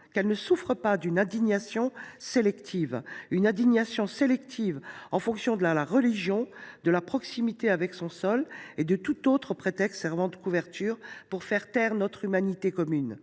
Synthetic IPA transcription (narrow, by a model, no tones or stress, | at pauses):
kɛlnəsufχəpad̪ynɛ̃d̪iɲasjɔ̃selɛkt̪ʰivynɛ̃d̪iɲasjɔ̃selɛkt̪ʰivɑ̃fɔ̃ksjɔ̃d̪əlalaʁəliʒjɔ̃d̪əlapχɔksimit̪eavɛksɔ̃sɔled̪ət̪ut̪ot̪χəpχet̪ɛkst̪sɛʁvɑ̃d̪əkuvɛʁt̪ʰyːʁpuʁfɛʁt̪ɛʁnɔt̪χymanit̪ekɔmyn